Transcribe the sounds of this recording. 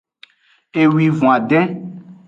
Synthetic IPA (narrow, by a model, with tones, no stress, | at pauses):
e˨wi˨vɔ̃˨a˨ɖɛ̃˦